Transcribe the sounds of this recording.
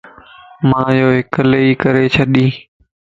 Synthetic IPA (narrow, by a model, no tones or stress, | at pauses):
mãːjoːɦɪkəleːiːkəɾeːt͡ʃʰəɗĩː